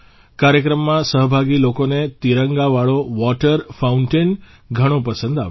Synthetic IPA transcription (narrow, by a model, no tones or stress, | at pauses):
kaɾjəkɾəmːãsəɦəbʱaɡilokonet̪iɾəŋɡaʋaɭoʋɔʈəɾfaũɳʈen | ɡʱəɽ̃õpəsə̃nd̪a̰ʋ